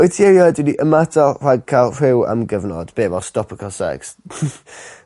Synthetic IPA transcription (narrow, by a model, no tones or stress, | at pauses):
ɔjtʰiɛjɔɛdwɪniʔəmatʰɔr̥aɡ̚kʰalˠr̥ɪwa̰mɡəvnɔ̰d̥b̥eːvɔlˠstɔpʰəkʰasɛ̰ks